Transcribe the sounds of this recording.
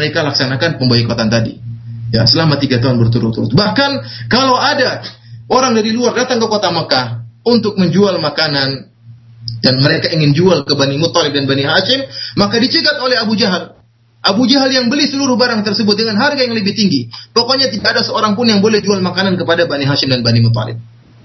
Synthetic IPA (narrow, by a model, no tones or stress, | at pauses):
məɾekalaksanakanpəmbawikot̪ant̪adḭjasəlamat̪iɡat̪uɦanbərt̪uɾʊt̪uɾʊt̪̚bahkankalawadaoɾaŋdaɾiluardat̪aŋkəkot̪aməkahunt̪ʊk̚məɲd͡ʒualmakanan | danməɾekaiŋɪnd͡ʒualkəbanimʊt̪ːɑlɪp̚danbaniɦaʃɪmːakadit͡ʃiɡat̪olɛɦabud͡ʒaɦal | ʔabud͡ʒaɦaljaŋbəlisəluɾʊhbaɾaŋt̪ərsəbʊt̪̚dəŋanɦarɡajaŋləbɪht̪iŋɡipokoɲat̪idakːdasəoɾaŋpʊnjaŋbolɛhd͡ʒualmakanankəpadabaniɦaʃɪmdanbanimʊt̪̬ːɑ̰lɪ̰p̚